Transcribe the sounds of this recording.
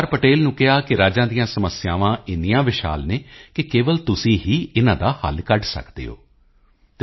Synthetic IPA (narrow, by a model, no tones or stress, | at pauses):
ɾpəʈeːlnũːkɪɦaːkɪɾaːd͡ʒãːd̪ijãːsəməsɪjaːʋãːɪnijãːʋɪʃa̰ːlneːkɪkeːʋəlt̪ʊsĩːɦiːɪnãːd̪aːhə̰lkəɖsə̰kd̪ḛːo̰ː | t̪